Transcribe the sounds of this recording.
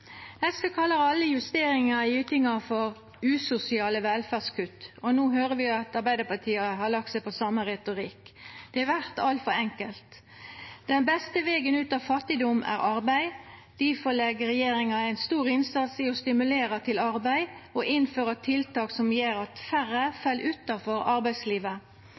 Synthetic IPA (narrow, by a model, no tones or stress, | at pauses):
ɛskəkʰɑlːəɾɑlːəjʉst̪eːɾɪŋɑɪʉːt̪ɪŋɑfɔɾ | ʉːsʊsɪɑːləʋɛlfæːʁskʰʉt̪ɔnuːɦøːʁəʋɪɑt̪ɑɾbæɪd̪əpɑt̪ʰiːɑhɑɾlɑkt̪sæɪpʰɔsɑmːəʁɛt̪ʊʁɪkːd̪̥ɛæʋæʁt̪ɑlt̪fɔɾɛŋkəlt̪ | d̪̥ɛnbɛst̪əʋeːɡənʉːt̪ɑːʋfɑt̪ːɪd̪ɔmæ̰ːʁɑɾbæɪd̪̥ɪfɔlɛɡəʁɛjeːɾɪŋɑæɪnst̪uːʁɪnsɑt̪sɪɔst̪ɪmʉleːɾɑt̪ʰɪlɑʁbæɪɔʔɪnføːɾɑt̪ʰɪlt̪ɑːksɔmjeːɾɑt̪fæɾəfɑlːʔʉt̪ːɑfɔɾɑɾbæɪd̪sliːʋə